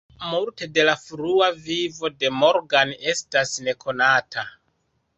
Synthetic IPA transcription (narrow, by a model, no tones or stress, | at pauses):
multe̞de̞lafɾuavivo̞de̞mo̞ɾɡane̞stasne̞kʰo̞natʰa